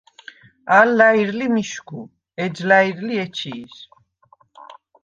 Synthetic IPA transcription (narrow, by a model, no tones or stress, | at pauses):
alːaiɾlimiʃkʰu | ɛd͡ʒlaiɾliɛt͡ʃʰiːs